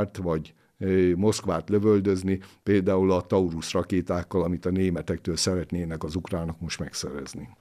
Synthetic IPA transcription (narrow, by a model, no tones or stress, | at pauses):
rt̪ʋɒɟ | mo̞skʋaːt̪lø̞vøld̪ø̞znipeːld̪aːulɒt̪ɒuɾusrɒkeːt̪aːkːɒlɒmit̪ɒneːmɛt̪ɛk̚t̪øːlsɛɾɛt̪neːnɛkɒzukraːnɒkmo̞ʃt̪mɛksɛ̰ɾɛ̰zni